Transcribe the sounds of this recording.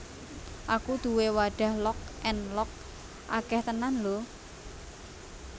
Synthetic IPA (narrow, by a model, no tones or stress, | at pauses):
ʔakud̪̥uwewaɖ̥ä̤hlɔk̚ʔɛnlɔk̚ | ʔakɛht̪ənanlo